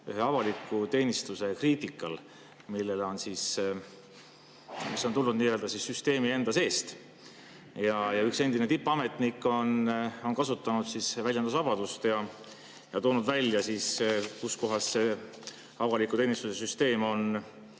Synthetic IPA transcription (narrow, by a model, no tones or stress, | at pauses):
y̰ɦe̞ɑvɑlikːˑut̪e̞ːnist̪use̞kriːt̪ˑikːˑɑl | milːe̞lo̞nsis | misːot̪ulnud̪̚niːjø̞ld̪ɑsisːyst̪e̞ːmie̞nd̪̥ɑse̞ːst̪ | jɑjɑykse̞nd̪inet̪ipːˑɑme̞t̪ˑnikːˑo̞no̞nkɑsut̪ːˑɑnud̪̥sisvæljɑnd̪usɑb̥ɑd̪ust̪jɑ | jɑt̪o̞ːnud̪vælʲːjɑsiskusko̞ɦɑsːe̞ | ɑvɑlikːˑut̪e̞ːnist̪use̞syst̪e̞ːmo̞n